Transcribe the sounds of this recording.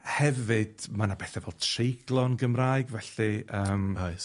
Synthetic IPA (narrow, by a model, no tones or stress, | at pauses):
hɛvɨd̥manabɛθɛvɛlˠtʰrejɡ̥lˠɔnɡəmraːɨɡvɛɬɨʔəːmajs